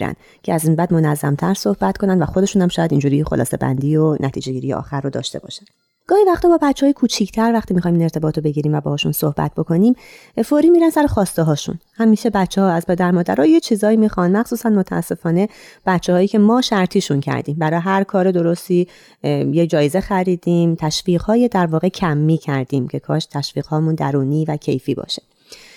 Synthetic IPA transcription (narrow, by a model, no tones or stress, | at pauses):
ɾæ̰n | cʰeæzimbæːd̪mo̞næzːæ̰mt̪ʰæɾsohbæt̪kʰo̞nænvæxod̪e̞ʃuːnhæmʃɒːjæd̪ind͡ʒuːɾiːxolɒ̰ːse̞̰bæ̰nd̪iːonʔæt̪ʰiːd͡ʒeɟiːɾijḛʔɒ̰ːxæɾrːod̪ɒ̰ːʃt̪e̞bɒ̰ːʃænd̪ | ɡ̥ɒːhivæxt̪ɒːbɒːbæt͡ʃʰːɛɦɒːjkʰuːt͡ʃʰiːcʰt̪ʰæɾvæχt̪ʰiːmixːjmiːne̞ɾt̪ʰe̞bɒːt̪ʰobe̞ɟiːɾiːmvæbɒːɒːʃṵnsohbæ̰t̪̚b̥o̞kʰo̞niːm | foɾiːmiːɾænsæɾexɒːst̪eɦɒːʃṵnhæmiːʃe̞bætt͡ʃʰːehɒːæzpʰe̞d̪æɾmɒːd̪æ̰ɾɒːjet͡ʃʰiːzɒːiːmixɒnd̪mæxsuːsænmot̪ʰæʔæ̰sːe̞fɒːneb̥æt͡ʃʰːeɦɒːjiːcʰe̞mɒːʃæɾt̪ʰiːʃuncʰæ̰ɾd̪iːmbæɾɒːjɦæɾkʰɒːɾed̪o̞ɾost̪iː | jed͡ʒɒːjezexæɾiːd̪iːmt̪ʰæʃviːʁhɒːjed̪æɾvɒːɣe̞cʰæmːiːcʰæɾd̪iːmcʰe̞kʰɒːʃt̪ʰæʃviːɣ̥hɒːmund̪æɾuːniːvæcʰe̞̰jfiːbɒ̰ːʃe̥